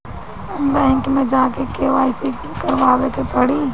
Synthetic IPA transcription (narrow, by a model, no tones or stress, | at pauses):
mbɛ̃ːŋkmẽd͡ʒaːkekeʋaːɪsi | kɐɾʋaːʋekepɐɽiː